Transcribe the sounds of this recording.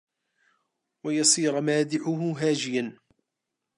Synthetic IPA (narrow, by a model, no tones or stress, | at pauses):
wajɑsˤiːɾmaːd̪ɪʕʊɦʊɦaːd͡ʒɪjan